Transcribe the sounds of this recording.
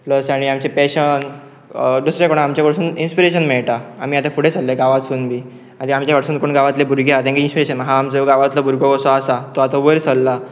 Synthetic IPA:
pləsaɽ̃iamt͡ɕepɛɕən | ɖusɾekoɽ̃aːmt͡ɕjakəɽsuːninspiɾeɕənmɛɭʈaamiːat̪afuɽet͡salːeɡaʋat̪suːnbʱiː | ad̪iamt͡ɕjakəɽsuːnkoɳɡaʋat̪lebʱuɾɡeat̪ẽŋɡeinspiɾeɕənɦãːmt͡səɡaʋat̪ləbʱuɾɡɔɡɔsɔasat̪oat̪aʋəɾsəlːa

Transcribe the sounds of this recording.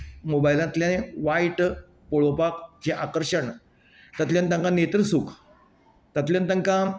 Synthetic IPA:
mobajlãnt̪ljaneʋaiʈ | poɭopakd͡ʑeʔakəɾʂəɳ | t̪at̪ljant̪ãŋkãnet̪ɾəsuk | t̪at̪ljant̪aŋkã

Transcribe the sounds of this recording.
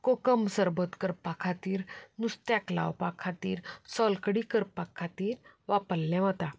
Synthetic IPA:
kokəmsəɾbət̪kəɾpakʰat̪iːɾnust̪jakla̰wpakʰːat̪ḭːɾsɔlkɽikəɾpakʰːat̪iːɾʋapəlːɛ̃ʋ̤ət̪a

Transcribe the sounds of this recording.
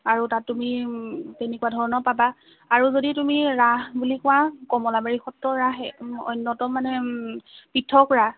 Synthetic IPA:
aɹutatːumitenekuwadʱɔɹɔnɔpabaː | ɹuzoditumiɹaɦbulikɔwakɔmɔlabaɹixɔtɹɔɹaɦɛɔ̰jnːɔtɔmːanɛ | pitʰːɔkɔɹa

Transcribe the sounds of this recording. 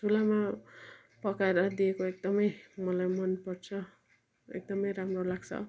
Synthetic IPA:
tʰulama | pʌkaeɾʌd̪iekoek̚d̪ʌmʌjmʌlajmʌnpʌrt͡sʰʌ | ḛk̚d̪ʌmʌjɾamrolaɡt͡sʰʌ̰

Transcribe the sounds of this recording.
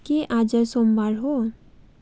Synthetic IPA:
keʔaːd͡ʒəsõːmbaɾɦo

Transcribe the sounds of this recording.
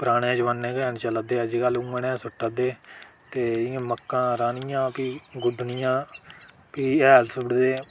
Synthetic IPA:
pɾaːɽẽːd͡ʒʋənːẽːkɛːnt͡ʃələd̪eːəd͡ʒiːkəlũːəɳɛ̃ːsʊʈːəd̪eːt̪eːɪjãːməkːãːɾaːnɪjãːpiːɡʊɖʱnɪjãː | piːɛːlsʊɽd̪eː

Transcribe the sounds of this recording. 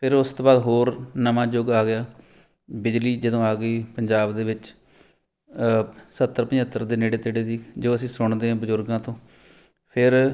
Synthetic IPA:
pʰɪɾʊst̪õːbaːd̪ɦoːɾnəmãːd͡ʒoɡaːɡɪjaː | bɪd͡ʒliːd͡ʒɪd̪õːaːɡəiːpəɲd͡ʒaːbd̪eːʋɪt͡ʃ | sət̪ːəɾpəɲət̪ːəɾd̪eːneːɽeːt̪eːɽeːd̪iːd͡ʒoːəsĩːsʊɳd̪eːãːbəzʊɾɡãːt̪õː | pʰɪɾ

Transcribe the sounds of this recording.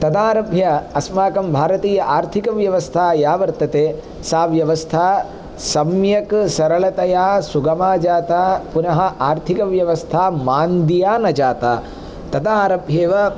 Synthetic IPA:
t̪ɐt̪aːɾɐbʱjɐɐsmaːkɐmbʱaːɾɐt̪iːjɐʔaːɾt̪ʰikɐʋjɐʋɐst̪ʰaːjaːʋɐɾt̪ɐt̪eː | saːʋjɐʋɐst̪ʰaː | sɐmjɐksɐɾɐɭɐt̪ɐjaːsuɡɐmaːd͡ʒaːt̪aːpunɐɦɐ̆ʔaːɾt̪ʰikɐʋjɐʋɐst̪ʰaːmaːnd̪ijaːnɐt͡ʃaːt̪aː | t̪ɐt̪aːɾɐbʱjeːʋɐ

